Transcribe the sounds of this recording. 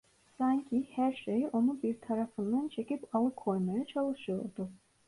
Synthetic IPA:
saɲcʰihæɾʃejo̞nubiɾt̪ʰaɾafɯnd̪ant͡ʃʰe̞cipalˠɯkʰːo̞jmajat͡ʃʰalˠɯʃɯjo̞ɾd̪u

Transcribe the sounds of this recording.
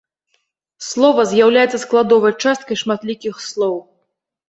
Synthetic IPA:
slˠɔvɐzʲjawlʲajɛt̪sɐsklˠad̪ɔvɐjt͡ʂast̪̚kɐjʂmat̪lʲikʲixslˠɔw

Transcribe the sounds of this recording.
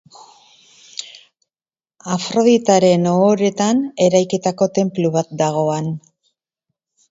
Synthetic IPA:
afɾo̞ðit̪aɾe̞noːɾe̞t̪ane̞ɾajkit̪ako̞t̪e̞mpluβat̪̚d̪aɣ̞o̞an

